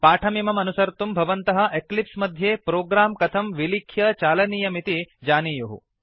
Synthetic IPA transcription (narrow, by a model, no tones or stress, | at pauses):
paːʈʰɐmimɐmɐnusɐɾt̪umbʱɐʋɐnt̪ɐɦɐ̆ʔeklipsmɐd̪ʱjeːpɾoːɡɾaːmkɐt̪ʰɐmʋilikʰːjɐt͡ʃaːlɐniːjɐmit̪id͡ʒaːniːjuɦṵ